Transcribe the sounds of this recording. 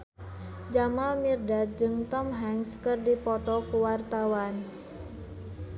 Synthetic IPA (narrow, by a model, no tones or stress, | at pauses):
d͡ʒamalmirdat̪̚d͡ʒɨŋt̪ɔmɦɛŋskɨrdipɔt̪ɔkuwart̪awan